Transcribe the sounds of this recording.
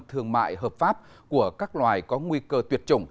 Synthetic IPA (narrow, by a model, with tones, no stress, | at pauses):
t̪ʰɨ˧əŋma̰ː˧˨jɦəː˨˩p̚faː˦˥p̚ | ku˧˩əkaː˦˥k̚lwaː˨˩jkɔ˨˦ŋwi˧kəː˧t̪wət̚t͡ɕʊ̰˧˩ŋ͡m